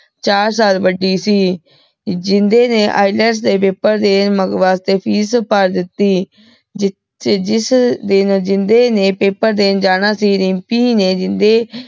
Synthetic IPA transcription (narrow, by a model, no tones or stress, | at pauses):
t͡ʃaːɾsaːlbəɖiːsiː | d͡ʒɪnd̪eːneːʔa̰ːilɛɾs̬d̪eːpeːpəɾd̪eːnməɡʋaːst̪eːpʰiːspəɾd̪ɪt̪ːiː | d͡ʒ | d͡ʒɪsd̪ɪnːd͡ʒɪnd̪eːnẽːpeːpəɾd̪eːnd͡ʒaːnaːsiːɾɪpiːneːd͡ʒɪnd̪eː